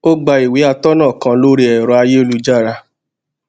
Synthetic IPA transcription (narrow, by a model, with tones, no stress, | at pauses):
o˦ɡ͡ba˧i˨wi˨˦a˧tɔ˦nãː˦˨kã˧lo˦ɾi˧ɛ˨ɾɔ˧a˧je˦o˦lu˦d͡ʒa˦˨ɾa˧